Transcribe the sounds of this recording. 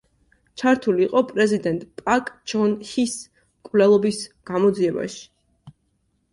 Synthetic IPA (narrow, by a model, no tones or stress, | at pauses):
t͡ʃʰaɾt̪ʰuliːqʼɔpʼɾɛzid̪ɛnt̪ʼpʼakʼt͡ʃʰɔnhis | kʼvlɛlˠɔbisɡ̥amɔd̪ziɛba̰ʃi̥